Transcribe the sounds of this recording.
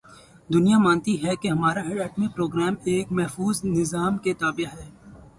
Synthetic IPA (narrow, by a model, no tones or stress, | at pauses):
d̪ʊnijamãːnt̪iɦɛkeɦɐmaːɾaɦeɖɛːʈmipɾoːɡɾɛːmeːkmɛɦfuːznɪzaːmket̪aːbɪjaɦɛː